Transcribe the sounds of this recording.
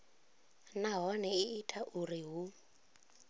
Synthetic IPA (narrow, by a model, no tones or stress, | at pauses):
naɦɔnɛɪːtʰaʔuriɦu